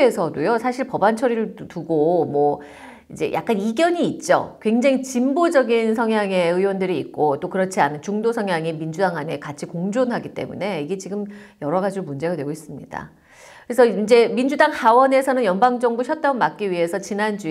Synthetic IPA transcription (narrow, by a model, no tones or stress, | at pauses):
esʰʌdojosʰaɕʰiɭpʌbant͡ɕʰʌɾiɾɯɭtuɡomʌ | id͡ʑe̞̰jʔa̰k͈̚aniɡjʌɲiːt̚t͡ɕ͈o̰kwe̞ŋd͡ʑaŋit͡ɕimbod͡ʑʌɡinsʰʌŋɦjaŋe̞ɯjwʌndɯɾiːt̚k͈ot͈okɯɾʌt͡ɕʰianɯnt͡ɕuŋdosʰʌŋjaŋimind͡ʑudaŋɦane̞kat͡ɕʰikoŋd͡ʑonɦaɡit͈e̞̰mṵne̞iɡe̞t͡ɕiɡɯmjʌɾʌɡad͡ʑidomund͡ʑe̞ɡadwe̞ɡois͈ɯmɲḭda̰ | kkɯɾesʰʌid͡ʑe̞mind͡ʑudaŋhawʌne̞sʰʌnɯnjʌnbaŋd͡ʑʌŋbuɕʰʌt̚t͈aɡʌnmak̚k͈iɥiɦe̞sʰʌt͡ɕinand͡ʑu